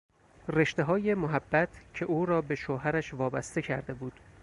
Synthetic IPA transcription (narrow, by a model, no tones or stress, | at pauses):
re̞ʃt̪e̞ɦɒːje̞moɦæbːæt̪ʰcʰe̞ʔuːɾɒːbe̞ʃoːɦæɾæʃvɒːbæst̪e̞cʰæ̰ɾd̪e̞buːd̪̥